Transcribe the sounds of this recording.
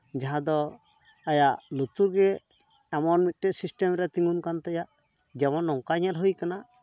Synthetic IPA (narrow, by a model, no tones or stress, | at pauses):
d͡ʒaɦãd̪ɔ | ajaʔlut̪uɾɡɛː | mɔnmit̪̚ˀʈɛsisʈɛmɾɛt̪iŋɡunkant̪ɛjaʔ | d͡ʒɛmɔnːɔŋkaɲalɦujkana